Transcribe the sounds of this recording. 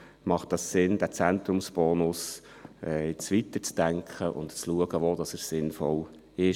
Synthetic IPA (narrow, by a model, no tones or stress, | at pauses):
mɑχtd̥ɑsːɪndæt͡sæntɾʊmsb̥ɔːnʊsɛɪt͡sʋitət͡sd̥æŋkʰχəʔʊ̰ntt͡sluəɡəʋoːdɑsəssɪnfɔl | ɪʃ